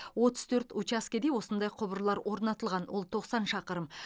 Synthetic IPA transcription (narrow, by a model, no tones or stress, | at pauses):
wo̞t̪əz̥t̪ʰɵɾt̪ut͡ʃaskʲed̪ewo̞sənd̪ɑjqʰʊbəɾlˠɑɾwʔo̞ɾnɑt̪əlˠʁɑnwo̞lˠt̪ʰo̞qsɑnʃɑqəɾəm